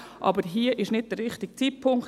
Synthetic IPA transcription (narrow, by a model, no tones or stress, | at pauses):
ʔɑ̰bəɾɦiəʔɪʃnɪd̚d̥ərɾɪχtɪk̚t͡siːpʰʊŋk